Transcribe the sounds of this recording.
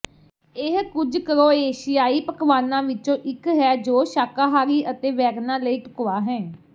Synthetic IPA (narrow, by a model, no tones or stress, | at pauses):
ɪɦkʊd͡ʒkəɾoːeːʃɪjaːiːpəkʋaːnãːʋɪt͡ʃõːʔɪkɦɛːd͡ʒoːʃaːkaːɦaːɾiːʔət̪eːʋɛːɡnãːləiːʈʊkʊʋaːɦɛ̃ː